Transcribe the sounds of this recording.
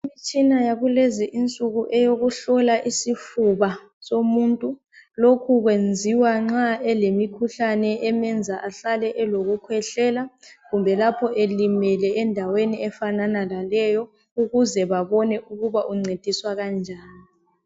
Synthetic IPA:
imit͡ʃʼinajaβulɛzɛʔint͡sʼuɣuʔɛjoɣuɬɔlaʔisifuβa | somuːntʼu | lokʰuɣwend͡zʱiwaŋ͡ǁaɛlemikʰuɬanɛʔɛmɛnd͡zʱaʔaɬalɛʔɛloɣukʰwɛɬɛːlaɣumbʱɛlapʰɔʔelimɛlɛɛndʱaweniɛfananalalɛjɔ | uɣuzɛβaβɔnɛʔuɣuβaʔuŋ͡ǀed̥ʱiswaɣand͡ʒʱaːnii

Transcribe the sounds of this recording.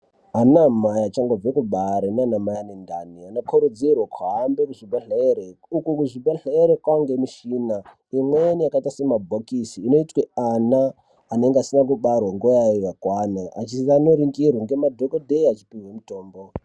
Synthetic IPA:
ɦanamajat͡ʃaŋɡob͡vekuɓaɾenanamajanendanianokʰuɾud͡zirwakʰaɦambekuʐibaɬaeɾeukukuʐibaɬeeɾekwaŋɡemiʃiːna | imwenijakaitase̞mabʱokisiːno̞itweanaː | ne̞ŋɡeasinak̬uɓarwaŋɡojaijakwanaʔat͡ʃianoɾiŋɡirwaŋɡe̞madʱokodʱeat͡ʃi̥piwemuto̞ːmbo

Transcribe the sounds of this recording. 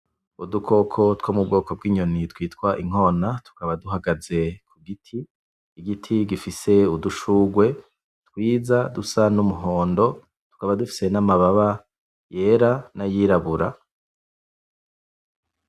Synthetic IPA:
udukʰo̞kʰo̞twomub̚ɡo̞ːko̞b̚ɡiːɲonitwiːtkwaʔiŋ̥o̞ːnatu̥kaβaduɦaɡaze̞kʰuɡitʰiː | ɡitʰiɡifise̞uduʃuːɡwe̞ | tkwiːzadusanumuɦo̞ːndo̞ | tu̥kaβadufi̥se̞namaβaβa | je̞ːɾanajiɾaβuɾa̰

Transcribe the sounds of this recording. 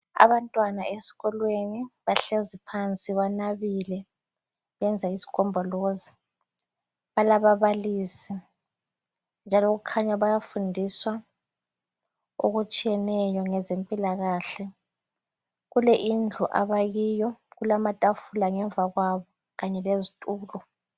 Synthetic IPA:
a̰βantʼwanaesi̥ɣɔlweniβaɬezipʰant͡sʼiβanaβilɛ | βɛnd͡zʱaisi̥kʰɔmbʱɔlozi | βalaβaβaliːsi | nd͡ʒʱalɔɣukʰaɲaβajafundʱiswa | o̰ɣut͡ʃʼijɛnɛjɔŋɛzempʼilaɣaːɬɛ | ɣulɛʔind͡ɮʱuʔa̰βaɣiːjɔɣulamatʼafulaŋɛɱvʱaɣwaβɔ | ɣaɲɛlezitʼuːlɔ

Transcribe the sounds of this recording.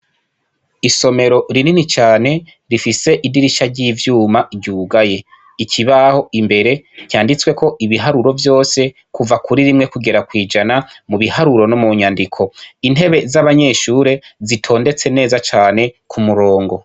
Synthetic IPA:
iso̞me̞ɾo̞ɾininit͡ʃaːne̞ | ɾifise̞ʔidiɾiʃaɾɟiːvjuːmaɟuːɡaje̞ | icʰiβaho̞imbe̞ɾe̞cjaːndit͡swe̞ko̞ʔiβiɦaɾuɾo̞vjo̞ːse̞ | kuvakʰuɾiɾimŋe̞kuɡe̞ɾakwiːd͡ʒanamuβihaɾuɾo̞nomuɲandikʰo̞inhe̞βe̞zaβaɲe̞ʃuːɾe̞zitʰo̞ːnde̞t͡se̞ne̞ːzat͡ʃaːne̞kʰumuɾo̞ːŋɡo̞

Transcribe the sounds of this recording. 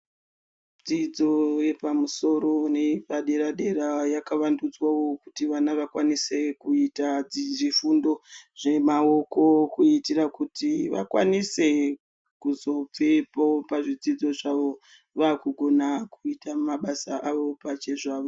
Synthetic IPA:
d͡zid͡zo̞je̞pamuso̞ɾo̞nepaɗe̞ɾaɗe̞ɾajakaʋandud͡zwawo̞kutiʋanaʋakwanise̞kuitad͡ziʐifundo̞ʐ̥e̞mao̞ko̞kuitirakutiʋa̰kwa̰nise̞ | kuzo̞p͡fepopaʐid͡zid͡zo̞ʐaʋo̞ | ʋaːkuɡʱo̞nakuitamaɓasaʔaʋo̞pat͡ʃe̞ʐaːʋo

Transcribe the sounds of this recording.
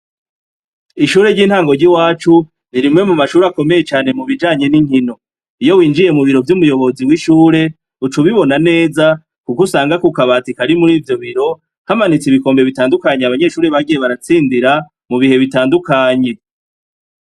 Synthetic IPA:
iʃuːɾe̞ɾɟiːnhaːŋɡo̞ɾɟiwaːt͡ʃu | niɾimŋe̞mumaʃuːɾako̞me̞je̞t͡ʃaːne̞muβid͡ʒaːɲe̞niŋhino̞ | ijo̞wiːnd͡ʒije̞muβiɾo̞vjumujo̞βo̞ziwiʃuːɾe̞ | ut͡ʃuβiβo̞nane̞ːza | kukusaːŋɡakukaβaːtikaɾimuɾiːvjo̞βiɾo̞ | hamanit͡siβiko̞ːmbe̞βitaːndukaɲeaβaɲe̞ʃuːɾeβaɡijeβaɾat͡siːndiɾa | muβihe̞βitaːndukaːɲe̞

